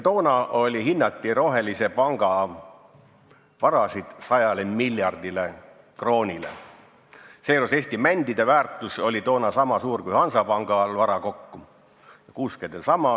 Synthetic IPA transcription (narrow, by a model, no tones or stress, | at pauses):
t̪o̞ːnɑo̞lʲiɦinːɑt̪ːiɾo̞ɦe̞lise̞pɑŋɡ̥ɑ | vɑɾɑsid̪̥sɑjɑlemilʲjɑrd̪ile̞ | kro̞ːnʲilḛ | seːɾoseːst̪imænʲd̪̥id̪e̞væːrt̪ˑusolʲit̪o̞ːnɑsɑmɑsuːrkujhɑnsɑpɑŋɡ̥ɑlvɑɾɑko̞kːu | jɑkuːskend̪̥elsɑmɑ